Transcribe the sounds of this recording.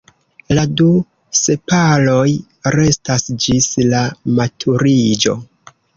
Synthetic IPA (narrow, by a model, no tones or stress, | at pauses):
ladu | se̞palo̞j | ɾe̞stasd͡ʒislamatʰuɾid͡ʒo̞̰